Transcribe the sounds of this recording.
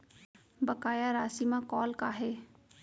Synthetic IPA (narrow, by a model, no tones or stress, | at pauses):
bəkaːjaɾaːsimãkɔːlkaːɦeː